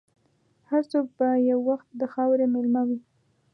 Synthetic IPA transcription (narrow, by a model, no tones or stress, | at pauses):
haɾt͡sok̚bajawːaxt̪̚d̪əxɑwɾemɪlmawi